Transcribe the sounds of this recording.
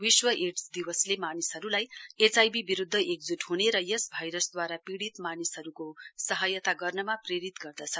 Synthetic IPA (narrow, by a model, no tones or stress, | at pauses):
wiswʌʔeʈsd̪iwʌslemanisɦʌɾulajet͡sajbibiɾud̪ʱːʌʔek̚d͡zuʈhuneɾʌjesbʱʌjɾʌsd̪waɾapiɽit̪manisɦʌɾukosʌɦʌjʌt̪aɡʌrnʌmapreɾit̪ɡʌrd̪ʌt͡sʰʌ